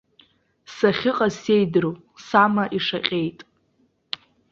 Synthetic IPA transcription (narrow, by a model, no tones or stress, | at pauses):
saχʲɪqʼase̞jdɨɾow | samaʔiʂaqʲʼe̞jtʼ